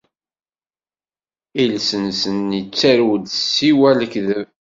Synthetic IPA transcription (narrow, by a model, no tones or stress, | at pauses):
ilsənsənːit͡sːæɾwd̪sːiwæləkðəv